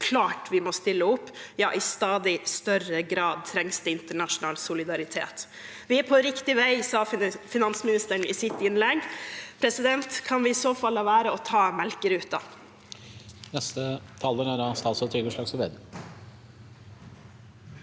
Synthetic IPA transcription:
kʰlɑːʈʋɪmɔst̪ɪlːəʊpːjɑ̰ːʔɪst̪ɑːd̪ɪst̪œrəɡɾɑːd̪̚t̪ʰɾɛŋsd̪əɪnt̪əɳɑʂʊnɑːlsʊlɪd̪ɑɾɪt̪ʰḛːt̪ | ʋɪæpʰɔɾɪkt̪ɪʋæɪsɑːfɪnɑnsmɪnɪst̪əɳɪsɪt̪ːɪnlɛɡpʰɾɛsɪd̪ɛnt̪kʰɑnʋɪɪsoːfɑlːɑʋæːɾəɔt̪ʰɑːmɛlkəɾʉːt̪̚d̪ɑ̰ | nɛst̪ət̪ʰɑlːəɾæɖɑst̪ɑːlsɔt̪ʰɾʏɡəʂɭɑːɡsɔʋeːd̪ə

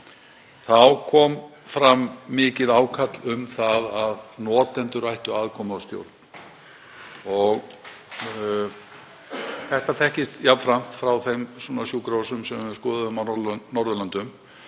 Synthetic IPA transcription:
θawkʰɔːm | fɾamːɪːcɪðaːwkʰat̪lʏmθaðaðnɔːt̪ɛnt̪ʏɾajht̪ʏaðkʰɔːmʏawst̪jo̰wɾt̪n | ɔɣ | θɛht̪aθɛhcɪst̪javfɾam̥t̪fɾawθejmsɔːnasjuːkɾawsʏmsɛmskɔːðaðʏmalnːɔɾðʏlant̪ʏm

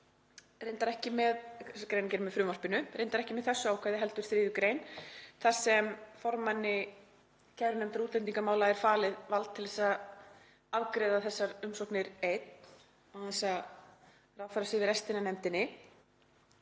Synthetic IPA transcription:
rejnt̪aɾɛhcɪmɛðkɾejnacɛɾmɛðfɾʏːmar̥pɪnʏɾejnt̪aɾɛhcɪmɛðθɛsːʏawkʰvajðɪɦɛl̪t̪ʏɾ̥θɾɪːðʏkɾeːjnθḁsɛmfɔɾmanːɪ | cʰɛvɾʏnɛmt̪aɾuːt̪lɛnt̪iŋkamaːwlaɛɾ̥faːlɪðvalt̪ʰːɪlθɛsːa | avkɾɛðaθɛsːaɾʏmsɔhknɪɾejt̪n | awθɛsːa | raːwfajɾasɪvɪɾɛst̪ɪnanɛmt̪ɪnːɪ

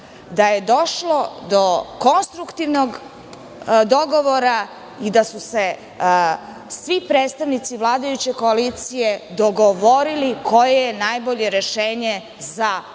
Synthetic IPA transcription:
d̪aje̞d̪o̞ʃlo̞d̪o̞ko̞nst̪ɾukt̪iʋnoɡ | d̪oɡo̞ʋo̞ɾa | id̪asuse̞ | sʋipɾeːt̪st̪aʋnit̪siʋlˠaːd̪ajut͡ɕe̞ko̞alit̪sije̞d̪o̞ɡo̞ʋo̞ɾiliko̞jejenajboʎe̞ɾeʃeːɲe | za

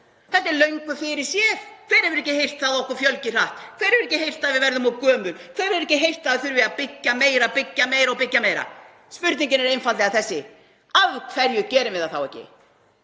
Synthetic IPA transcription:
θɛht̪ːɛɾlœɥŋkʏfɪɾɪɾ̥sjɛɾkʰv̥ɛːɾhɛvɪɾɛhcːɪhejr̥t̪θaðɔhkʏɾfjœlcɪr̥aht̪kʰvɛːjɾɛvɪɾɛcɪɦejr̥t̪θaðvɪðvɛɾðʏmawkœːmʏnkʰvɛːɾɛvɾɛhcːɪɦejr̥t̪θaðɪθʏɾvɪapɪcːameːjɾapɪcːameːjɾaɔpɪcːameːjɾa̰ | spʏɾt̪niɲcɪnɛɾejnfat̪lɛɣaθɛsːɪ | avkʰv̥ɛɾjʏcɛːɾɪmvɪðaðθawɛ̰hcːɪ̰

